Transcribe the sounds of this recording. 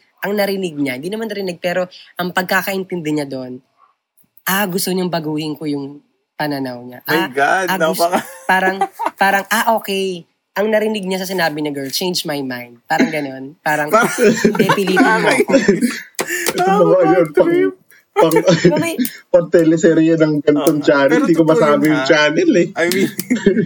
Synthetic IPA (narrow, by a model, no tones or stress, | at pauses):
ʔɐŋnɐɾɪnɪɡ̚ɲɐhɪnd̪iːnɐmanːɐɾɪnɪɡ̚pɛːɾo̞ʔɐŋpɐɡ̚kakɐʔɪnt̪ɪnd̪ɛɲɐd̪oʔn | ʔaɡʊst̪oɲɐŋbɐɡuːhɪŋkojʊŋ | pɐnɐnɐwɲaʔɡadaɡaʊspaːɾɐŋpaːɾɐŋʔaʔo̞ːkɛj | ʔɐŋnɐɾɪnɪɡ̚ɲasɐsɪnaːbɪnɐɡɛ˞lt͡ʃejnd͡ʒmajmãjnd̪̚paːɾɐŋɡɐno̞npaːɾɐŋbɛpɪliɐ | ɪbɐkoʔɐjonpɐɡ | pɐɡ | pɐɡ̚t̪ɛlɛsɛɾijɐnɐŋɡɐnt̪oŋt͡ʃaːnɛɪnd̪iːkomɐsaːbɪjʊŋt͡ʃaːnɛlɛ